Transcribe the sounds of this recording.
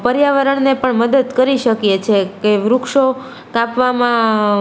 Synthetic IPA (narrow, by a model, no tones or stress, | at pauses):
pəɾjaʋəɾəɳnepəɳməd̪əd̪kəɾiʃəkjet͡ʃʰekeʋɾukʃo | kapʋamã